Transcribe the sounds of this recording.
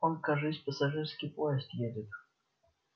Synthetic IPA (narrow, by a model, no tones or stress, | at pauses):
ɔnkaʐɨsʲpəsaʐɨrskʲɪpojɛst̪jedʲɪt̪